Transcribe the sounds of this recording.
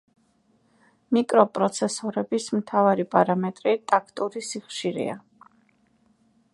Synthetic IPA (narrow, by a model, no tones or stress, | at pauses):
mikʼɾɔpʼɾɔt̪sʰɛsɔɾɛbismt̪ʰavaɾipʼaɾamɛt̪ʼɾit̪ʼakʰt̪ʼuɾisiχʃiɾɛ̰a